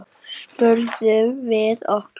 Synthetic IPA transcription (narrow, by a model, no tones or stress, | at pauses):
spœɾðʏmvɪðɔhk